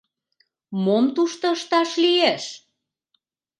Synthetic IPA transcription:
momt̪uʃt̪ɤ̆əʃt̪ɑʃlieʃ

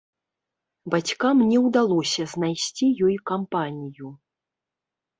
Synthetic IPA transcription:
bat͡sʲkamnʲɛwd̪alˠɔsʲɐznajsʲt͡sʲijɔjkampanʲiju

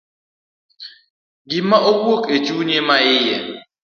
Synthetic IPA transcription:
ɡɪmaʔokwokʼet͡ʃuɲemaɪjɛ̰

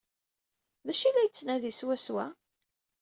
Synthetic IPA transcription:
ðæʃilːæjt͡sːnæðiswæswæ

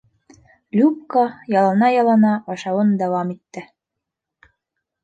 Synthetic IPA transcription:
lʲup̚kɑjɑlˠɑnɑjɑlˠɑnɑbɑʃɑwɤnd̪æwɑmit̪ːɘ

